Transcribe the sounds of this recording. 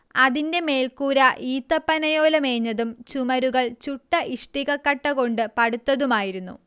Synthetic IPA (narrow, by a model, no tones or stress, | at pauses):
ɐðinde̞me̞ːlkuːɾɐʔiːt̪ːɐpːɐnɐjo̞ːlɐme̞ːɲːɐðumt͡ɕumɐɾuɣɐɭt͡ɕuʈːɐʔiʂʈiɣɐkːɐʈːɐɣo̞ɳɖɨpɐɽut̪ːɐðumaːjiɾunːṵ